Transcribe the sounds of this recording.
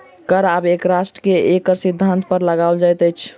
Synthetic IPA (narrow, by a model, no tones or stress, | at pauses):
kəɾabekɾasʈəkeekəɾsid̪ʱːant̪pəɾləɡaʊld͡ʒajt̪əjt͡ʃʰ